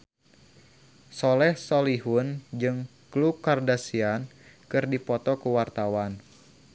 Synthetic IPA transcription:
sɔlɛhsɔliɦund͡ʒɨŋklukardasiankɨrdipɔt̪ɔkuwart̪awan

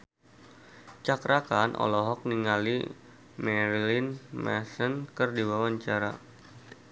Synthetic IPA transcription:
t͡ʃakɾakanʔɔ̰lɔɦɔk̚niŋalḭ | mɛɾilinmɛ̰sənkɨrdiwawaɲt͡ʃaɾa

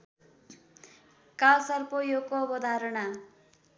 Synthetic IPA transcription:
kalsʌrpojokobʌd̪ʱaɾʌɳa

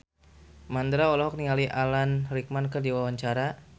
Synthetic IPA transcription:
mand̪ɾaolɔɦɔk̚niŋaliʔalanrik̚mankədiwawaɲt͡ʃaɾa

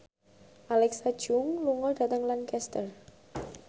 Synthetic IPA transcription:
ʔalɛksad̥ʒ̥ʊŋluŋɔɖ̥a̤t̪əŋlankɛst̪ər

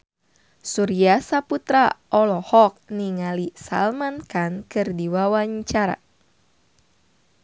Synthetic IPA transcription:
suɾiasaput̪ɾaʔɔlɔhɔk̚niŋalisa̰lmankankɨrdiwawaɲt͡ʃaɾa̰

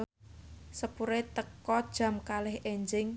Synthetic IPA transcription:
səpuɾet̪əkɔd̥ʒ̥ä̤mkalɪheɲd͡ʒɪŋ

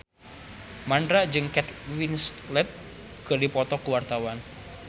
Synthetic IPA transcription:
mandɾaʔd͡ʒɨŋkɛt̪winst̪lɛt̪̚ | ɡ̥əlipɔt̪ɔkuwart̪awan

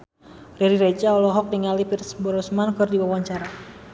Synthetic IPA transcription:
riɾiɾet͡ʃaɔlɔɦɔk̚niŋalipirsbɔɾɔsmankɨrdiwawaɲt͡ʃaɾa

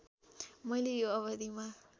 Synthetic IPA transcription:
mʌjlejoʌβʌd̪ima

